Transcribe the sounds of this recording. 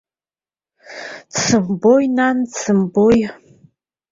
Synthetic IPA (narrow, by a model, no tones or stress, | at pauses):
t͡sʰɨmbojnant͡sʰɨmboj